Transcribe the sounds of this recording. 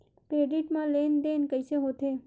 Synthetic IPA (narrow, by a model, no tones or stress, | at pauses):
pɾeːɖiʈmãlend̪eːnkəɪseɦot̪ʰe